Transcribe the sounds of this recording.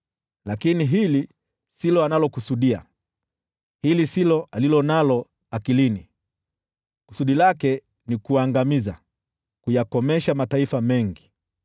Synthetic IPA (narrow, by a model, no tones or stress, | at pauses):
lakiniɦili | silɔanalɔkusuɗia̰ | hilisilɔʔalilɔnalɔ | akilini | ku̥suɗilakɛ | nikuaŋɡamiza | kujakɔmɛʃamataifamɛŋɡi